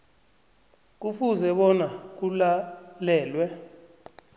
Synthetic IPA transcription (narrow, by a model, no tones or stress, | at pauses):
k̬ufuzɛɓɔnak̬ulalɛːlwɛ